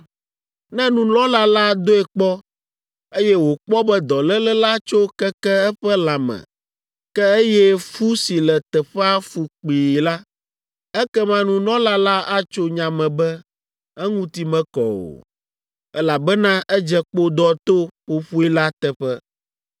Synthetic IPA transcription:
nɛ̃˦nũ˦lɔ̃˦la˦la˦d̪o˦ɛ˨k͡pɔ˦ | e˦jɛ˦wo˨k͡pɔ˦bɛ˦d̪ɔ˨lɛ˦lɛ˦la˦t͡ʃo˦kɛ˦kɛ˦ɛ˦ɸɛ˦la˨mɛ̰̃˨ | kɛ˦e˦jɛ˦fu˦si˨lɛ˨t̪ɛ˨ɸɛ˦a˦fu˨k͡piː˨la˦ | ɛ˦kɛ˦mã˦nũ˦lɔ̃˦la˦la˦ʔa˦t͡ʃo˦ɲã˨mɛ̃˨bɛ˦ | ɛ˦ŋũ˦t̪i˨mɛ̃˦kɔ̰˨o̰˨ | ɛ˦la˨bɛ˦nã˦ʔɛ˦d͡ʒɛ˦k͡po˦d̪ɔ˦t̪o˦ɸo˨ɸu˦i˦la˦t̪ɛ˨ɸɛ˦

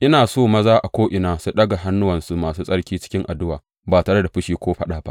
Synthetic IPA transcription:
ʔɪ˦naː˨soː˦mɐ˦zaː˦ʔa˨kʷoː˦ʔɪ˨naː˦su˦ɗɐ˦ɡa˨ɦa˦nːʊ˦wɐ˨nsu˦maː˨suː˦sʼɐ˦ɽkʲiː˦t͡ʃɪ̥˦kʲɪ˦ŋʔa˨dʊ˦waː˨ | baː˨taː˨ɽɐ˦da˨ɸɪ˦ʃiː˦kʷoː˦ɸɐ˦ɗaː˨ba̰˦

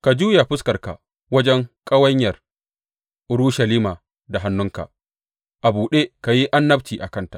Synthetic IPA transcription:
ka˨d͡ʒuː˦ja˨ɸʊ˦skɐ˨rka̰˨ | wɐ˦d͡ʒɛ˦ŋkʼɐ˦wɐ˦ɲjɐ˨r | ʔʊ˨˦ɾu˦ʃɐ˨liː˦maː˨ | da˨ɦa˦nːʊ˦ŋka̰˨ | ʔa˨buː˨ɗe˦ka˨ji˦ʔa˦nːɐ˦bt͡ʃiː˨ʔa˨kɐ˦nta˨ʔ

